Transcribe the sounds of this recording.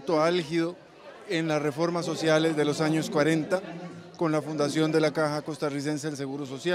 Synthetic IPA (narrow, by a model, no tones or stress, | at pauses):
t̪o̞alxiðo̞ | enlasre̞fo̞ɾmaso̞sjale̞zðe̞lo̞saɲo̞skwaɾe̞nt̪ako̞nlafund̪asjo̞nd̪e̞lakaxako̞st̪aris̬e̞ns̬eðels̬e̞ɣuɾoso̞sja